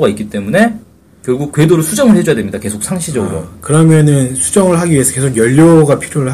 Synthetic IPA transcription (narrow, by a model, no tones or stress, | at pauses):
ɡaik͈it͈e̞mune̞ | kjʌɭɡuk̚k͈we̞doɾosʰud͡ʑʌŋɯɭhe̞d͡ʑojadwe̞mɲidake̞sʰok̚sʰaŋɕʰid͡ʑʌɡɯɾo̰kɯɾʌmjʌnɯnsʰud͡ʑʌŋɯɭɦaɡiiesʰʌke̞sʰokjʌʎːoɡapʰiɾjoɾɯɭ